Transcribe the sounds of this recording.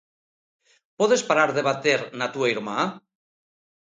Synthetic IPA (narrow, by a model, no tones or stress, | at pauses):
poðespaɾaɾðeβat̪eɾnat̪uajɾma